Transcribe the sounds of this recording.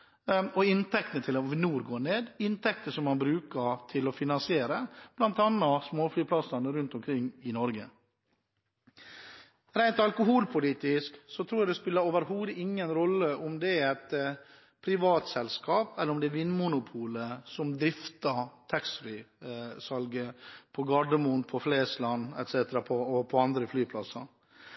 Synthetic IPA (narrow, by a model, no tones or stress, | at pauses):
ɔɪnt̪ɛk̚t̪ənət̪ʰɪlɔnuːɾɡoːɳeːd̪ɪnt̪ɛk̚t̪əʂɔmːɑnbɾʉːkət̪ʰɪlɔfɪnɑnsɪeːɾəb̥lɑnt̪ɑnːɑsmoːflyːpʰlɑsɑnəɾʉnt̪ɔmkʰɾɪŋːɪnɔɾɡə | ɾæɪnt̪ɑlkʊɦuːlpʰʊliːt̪ɪsksɔt̪ʰɾuːjɑd̪ɛspɪlːəɾoːʋəɾɦuːd̪əɪŋːənɾɔlːəʔʊmd̪ɛɛt̪ | pʰɾɪʋɑːt̪sɛlskɑːpɛlːəɾʊmd̪ɛːʋɪnːmʊnʊpʰuːləsɔmd̪ɾɪft̪ɑt̪ʰɛksɾʏsɑlɡəpʰɔɡɑɖəmuːnpʰɔfleːslɑnːɛ̰t̪seːt̪əɾɑpʰɔɔpʰɔɑnd̪ɾəflyːpʰlɑsɑ̰